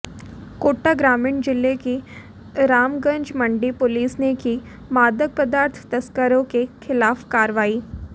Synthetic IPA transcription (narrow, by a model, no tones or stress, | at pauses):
koːʈːaɡɾaːmɪɳd͡ʒɪlːeki | ɾaːmɡə̃ɲd͡ʒmɐ̃ɳɖipʊliːsneki | maːd̪əɡ̚pəd̪aːɾt̪ʰt̪ɐskəɾõkexɪlaːfkaːɾʋaːiː